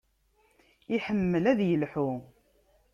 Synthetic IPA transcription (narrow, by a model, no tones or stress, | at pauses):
iħəmːəlæðjəlħu